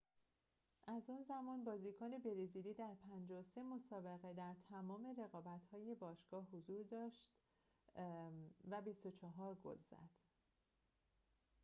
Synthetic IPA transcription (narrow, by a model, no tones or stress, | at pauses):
ʔæzuːnzæmɒːnbɒːzikʰɒːne̞be̞ɾizid̪iːd̪æɾpʰænd͡ʒɒse̞mo̞sɒːbe̞ɣed̪æɾt̪ʰæmɒːme̞re̞ɣɒːbæt̪hɒːje̞bɒːʃɡ̥ɒːhɦozuːɾd̪ɒːʃt̪ | væbist̪o̞t͡ʃʰɒɦɒːɾɡo̰lz̥æ̰d̪̥